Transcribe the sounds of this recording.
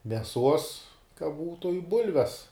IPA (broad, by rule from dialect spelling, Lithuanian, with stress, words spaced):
mʲɛˈsuɔs kɐ ˈbuːtʊ ɪ ˈbʊlʲʋʲɛs